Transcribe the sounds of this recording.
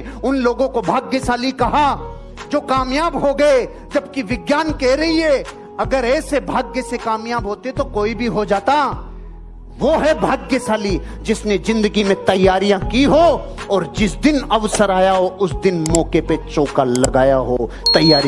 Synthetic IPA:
ʊnloːɡõkobʱaːɡjəsaːlikɐɦa | d͡ʒoːkaːmjaːbɦoɡɐe | d͡ʒɐb̚kiʋɪɡjaːnkɛːɾɐɦiɦɛː | ɐɡəɾɛːsebʱaːɡjəsekaːmjaːbɦoːt̪eɦɛt̪okoːibʱiɦod͡ʒaːt̪a | ʋoɦɛbʱaːɡjəsaːli | d͡ʒɪsnezɪ̃nd̪əɡimẽt̪ɐjːaːɾijãkiɦoɔːɾd͡ʒɪsd̪ɪnɐʋsəɾaːjaɦoʔʊsd̪ɪnmɔːkepet͡ʃoːkalɐɡaːjaɦo | t̪ɐjːaːɾi

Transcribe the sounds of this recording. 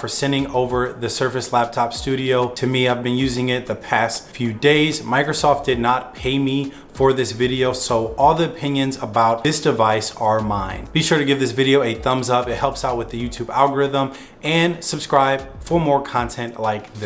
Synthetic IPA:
fə˞sɛ̃nɪ̃ŋoʊvə˞ðɨsɜ˞fɨslæp̚tʰɑpstʉɾioʊtʰɨmiaɪvbɨ̃njʉzɪ̃ŋɪt̪̚ðɨpʰæstfjʉdeɪzmaɪkɹɨsɔft̚d̥ɨdⁿnət̚pʰeɪmi | fə˞ðɪsvɪɾioʊsoʊʔɔlˠðiɨpʰɪ̃njɨ̃nzəbaʊt̚ðɪsd̥ɨvaɪsə˞mãɪ̃nb̥iʃʊɹɾɨɡɪvðɪsvɪɾioʊeɪθʌ̃mzʌpɨt̚hɛlˠpsaʊt̚wɨðɨjʉtʰʉbæ̰lˠɡə˞ɪðə̃m | ɨ̃nsɨb̥skɹaɪb̥fə˞mɔɹkʰɑ̃ntʰɛ̃nʔlaɪkð

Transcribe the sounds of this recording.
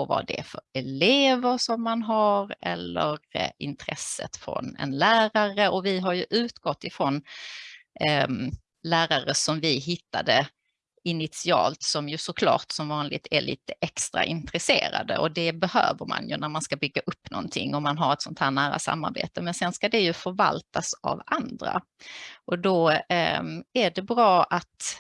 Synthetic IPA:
ɔva̰ɖɛ̰fœɾɛleːvəɾʂɔmːanɦaɾɛlːəɾɪnt̪ʰɾɛsːə̰t̪fɾɔ̰nɛ̰nlæːɾaɾəʔɔvɪɦaɾjɵʔʉ̟ːt̪ɡɔt̪ːɪfɾoːn | læːɾaɾəsɔmvɪɦɪt̪ːad̪ə | ɪnɪt̪sɪɑ̰ːlt̪sɔmjɵsɔkʰlɑ̰ːʈsɔmvɑːnlɪt̪ʰæ̰ɭʔḭːt̪əʔɛkst̪ɾa̰ʔɪnt̪ɾɛsḛːɾa̰d̪ə̰ɔd̪ɛbɛhø̰ːvəɾma̰njɵnæɾmanskabʏɡːaʔɵpːnɔ̰nt̪ʰɪ̰ŋːɔmanɦaɾɛt̪sɔnt̪ʰhæːɳæːɾa̰sa̰mːa̰ɾbḛːt̪əmɛnsɛnskad̪ɛjɵfœɾvalt̪asa̰vand̪ɾa̰ | ʔɔd̪ɔ | æɖɛbɾɑːʔat̪

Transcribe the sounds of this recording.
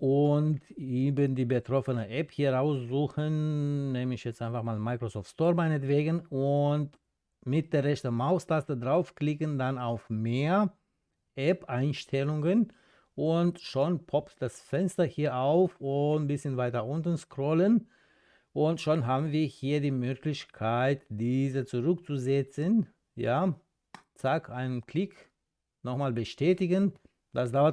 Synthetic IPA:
ʔʊntiːbəndiːbətʁ̥ɔfənəʔɛphiːɐʁaʊsz̥uːxənnɛːmɪçjɛt͡sstʔaɪ̃nfaχmaːlmaɪkʁosɔːftstoːɐmaɪnətv̥eːɡənʊnt | mɪt̚d̥eːɐʁɛçtəmaʊstʰastədʁaʊfklɪkəndanaʊfmeːɐ | ʔɛpʔaɪnʃtʰɛlʊŋən | ʔʊntʃonpʰɔptd̥asfɛnstɐhiːɐʔaʊfʊbɪsçənvaɪtɐʔʊntn̩skʁ̥ɔlən | ʔʊntʃonɦaːbn̩viːɐhiːɐdiːmøːklɪçkʰaɪtd̥iːzət͡suʁʏk̚t͡suzɛt͡sən | jaː | t͡sakʰʔaɪnənkl̥ɪk | nɔχmaːlbəʃtɛːtɪɡən | d̥asd̥aʊɐ

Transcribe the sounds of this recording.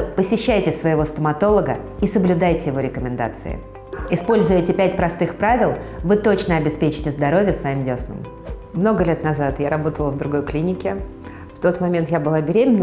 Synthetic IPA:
pəsʲɪɕːæjtʲɪsvəjɪvo̞st̪əmɐt̪o̞lˠəɡəisəblʲʊd̪ajtʲɪjɪvo̞ɾʲɪkəmʲɪnd̪a̰t̪sɨ̰ɪ̰ | ɪspo̞lʲzʊjɪtʲɪpʲætʲpɾɐst̪ɨxpɾavʲɪlˠvɨt̪o̞t͡ɕnəɐbʲɪspʲet͡ɕɪ̥tʲɪzd̪ɐɾo̞vʲjəfsvɐjimdʲo̞snə̰m | mno̞ɡəlʲe̞t̪nɐzat̪jaɾɐbo̞t̪əlˠəvd̪ɾʊɡo̞jklʲinʲɪkʲɪ | ft̪o̞t̪mɐmʲe̞nt̪jabɨlˠabʲɪɾʲemʲɪnː

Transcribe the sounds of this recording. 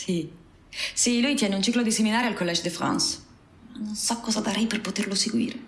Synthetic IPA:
si | silujt̪jɛːneunt͡ʃiklod̪iseminaːɾealkolːɛd͡ʒod̪ifɾa̰ns | manːonsɔkːɔːzad̪aɾɛjperpot̪erloseɡwḭːɾe

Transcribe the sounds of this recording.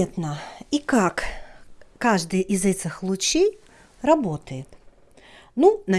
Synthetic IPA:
et̪nəikak | kːaʐd̪ɨjʔɪzɛt͡sʲɪxlˠʊt͡ɕej | rɐbot̪əjɪt̪ | nunɐ

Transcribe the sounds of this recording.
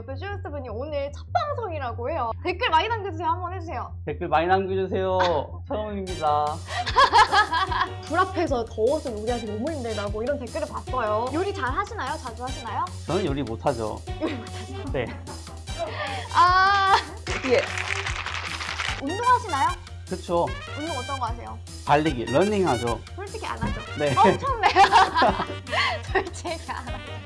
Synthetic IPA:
t͈ʌɕ͈iʌs͈ɯbuɲionɯɭt͡ɕʰap͈aŋsʰʌŋiɾaɡoɦe̞jote̞k͈ɯɭmaɲinanɡod͡ʑusʰeohɦambʌnɦe̞d͡ʑusʰe̞jo | te̞k͈ɯɭmaɲinanɡed͡ʑus̬ʰe̞jo | t͡ɕʰʌɯmimɲida | tuɾapʰe̞sʰʌtʌosʰɯnuɾiɦatʰenomuɭindwedaɡoiɾʌnte̞k͈ɯɾɯɭpas͈ʌjojoɾit͡ɕaɭɦaɕʰinajot͡ɕad͡ʑuɦaɕʰinajot͡ɕʌnɯnjoɾimotʰad͡ʑo̰joɾimotʰad͡ʑne̞ | a | iɡe̞ | undoŋɦaɕʰinajo | kɯt͡ɕʰoundoŋʌt͈ʌnɡʌasʰe̞jo | paʎːiɡinʌniŋɦad͡ʑokoɭt͈ʰɯkʰea̰nad͡ʑone̞ʌt͡ɕʰonne | t͡ɕʌt͡ɕʰeɡaana

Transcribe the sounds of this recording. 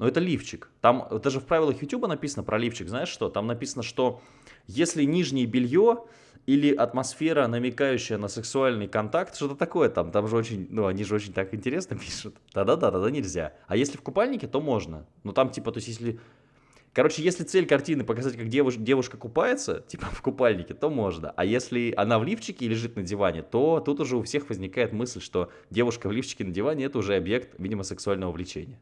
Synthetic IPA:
nuɛt̪əlʲift͡ɕɪkt̪amd̪aʐɨfpɾavʲɪlˠəxjʊtʲubənɐpʲisənəpɾʔɐlʲift͡ɕɪkznaɪʂʂt̪o̞t̪amnɐpʲisənəʂt̪o̞ | jesʲlʲɪnʲiʐnʲɪjəbʲɪlʲjo | ilʲɪʔɐt̪mɐsfʲe̞ɾənəmʲɪkajʉɕːɪjənəsɨksʊalʲnɨjkɐnt̪akt̪ʂt̪o̞t̪ət̪ɐko̞jət̪amt̪amʐɨot͡ɕɪnʲnuɐnʲiʐɨo̞t͡ɕɪnʲt̪akɪnʲtʲɪɾʲe̞snəpʲiʂʊt̪d̪̥ad̪ad̪ad̪ɐd̪anʲɪlʲzʲa̰ɐjesʲlʲɪfkʊpalʲnʲɪkʲɪt̪o̞mo̞ʐnə̰nut̪amtʲipət̪oɪsʲjes̬ʲlʲɪ | kɐɾo̞t͡ɕɪjesʲlʲɪt̪sɛlʲkɐrtʲinɨpəkɐzatʲkak̚dʲevʊdʲe̞vʊʂkəkʊpajɪt̪sə̰tʲi̥pəfkʊpalʲnʲɪkʲɪt̪o̞mo̞ʐnə̰ʔɐjesʲlʲɪɐ̰navlʲift͡ɕːɪkʲɪlʲɪʐɨt̪nədʲɪvanʲɪt̪o̞t̪ut̪ʊʐɛʊfsʲe̞xvəzʲnʲɪkajɪt̪mɨsʲlʲʂt̪o̞ | dʲe̞vʊʂkəvlʲift͡ɕɪ̥kʲɪnədʲɪvanʲɪɛt̪əʊʐɛɐbje̞kt̪vʲidʲɪməsɨksʊalʲnəvəvlʲɪt͡ɕḛnʲɪjə

